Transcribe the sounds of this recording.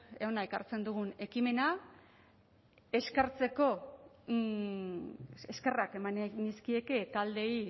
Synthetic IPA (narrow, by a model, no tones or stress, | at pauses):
eonaeka̰ɾt͡se̞nd̪uɣ̞une̞kime̞na | e̞skaɾt͡se̞ko̞ | eske̞rake̞manniskie̞ke̞t̪ald̪e̞j